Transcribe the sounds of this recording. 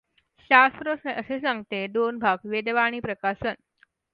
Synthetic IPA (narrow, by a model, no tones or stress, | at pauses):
ɕast̪ɾəəsesãŋɡt̪ed̪onbʱaɡʋed̪ʋaɽ̃iːpɾəkasən